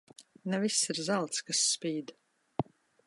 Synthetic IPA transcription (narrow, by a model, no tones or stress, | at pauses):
nɛvisːiɾzalˠt̪skasːpʲiːd̪